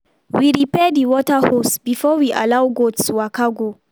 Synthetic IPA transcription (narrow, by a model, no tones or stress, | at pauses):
wiɹipɛdiwɔtahosbifɔwiʔa̰lawɡodsuwakaɡo